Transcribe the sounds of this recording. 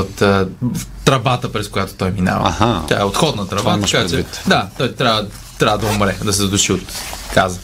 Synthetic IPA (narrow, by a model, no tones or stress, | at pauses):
ot̪ət̪ɾɐvat̪əpɾɛskʊjat̪o̥t̪ɔjmina̰vɐ̰ɐ̰hat̪a̰ɛot̪xɔd̪nɐt̪ɾɐvaɐkat͡ʃɛit̪d̪at̪ɔjt̪ɾjavə | t̪ɾʲavəd̪ɐʊmɾɛd̪ɐsɛzd̪ʊʃiot̪kazə